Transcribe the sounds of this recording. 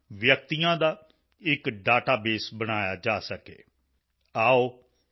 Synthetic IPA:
ʋjək̚t̪ijãːd̪aː | ɪkɖaːʈaːbeːsbəɽ̃aːjaːd͡ʒaːsəkḛː | aːoː

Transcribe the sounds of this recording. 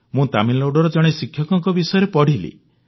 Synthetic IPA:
mũt̪aminlowɽɔɾɔd͡ʒɔɽ̃esikʰjɔkɔŋkɔbisɔjɔɾepɔɽ̤ilḭ

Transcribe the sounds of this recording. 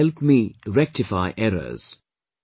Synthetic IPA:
ɛlpmiːɾɛk̚ʈɪfaɪʔɛɾə̰z̥

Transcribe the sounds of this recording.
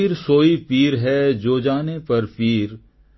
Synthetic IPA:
iɾsoːipiːɾɦɛd͡ʒoːd͡ʒaːnepɐɾpiːɾ

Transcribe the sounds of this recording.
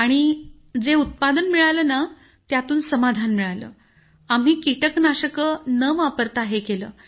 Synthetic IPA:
aɽ̃i | d͡zeut̪̚pad̪ənmiɭaləna | t̪jat̪uːnsəmad̪ʱanmiɭalə̰ː | am̤iːkiʈəknaɕəkənəʋapəɾt̪aɦekelə̰ː

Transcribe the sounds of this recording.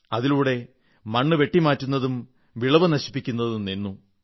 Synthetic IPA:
ɐðiluːɽe̞ | mɐɳːɨʋe̞ʈːimaːtːunːɐðum | ʋiɭɐʋɐnɐɕi̥pːikʲːunːɐðumninːu

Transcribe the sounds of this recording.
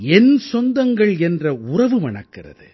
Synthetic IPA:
ɛnsɔnd̪ɐŋɡɐɭɛndrɐʊrɐʋɯʋɐnɐkːɪrɐ̰ðɯ

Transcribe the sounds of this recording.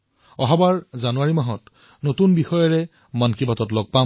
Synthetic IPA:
ɔɦɔbaɹzanuaɹimaɦɔt | notunbixɔjɔɹɛ | mankibatɔtlɔɡ̚pam

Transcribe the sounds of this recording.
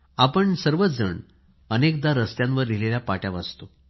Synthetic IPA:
apəɳsəɾʋət͡sd͡zəɳ | ənek̚d̪aɾəst̪jãnʋəɾlileljapaʈjaʋast̪o

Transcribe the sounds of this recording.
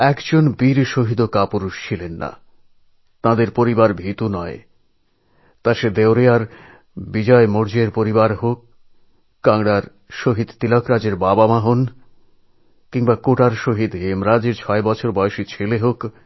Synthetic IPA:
ɛkd͡ʑonbiɾʃoɦid̪okapuɾuʃt͡ɕʰilenːa̰ | t̪ãd̪eɾpoɾibaɾbʱit̪unɔe | t̪ãʃed̪ewɾeaɾ | bid͡ʑɔemoɾd͡ʑeɾpoɾibaɾɦok̚ː | aŋɽaɾ | ʃoɦid̪t̪ilɔkɾad͡ʑeɾbabamaɦon | kiŋbakoʈaɾʃoɦid̪ɦemɾad͡ʑeɾt͡ɕʰɔebɔt͡ɕʰoɾbɔeoʃit͡ɕʰeleɦok

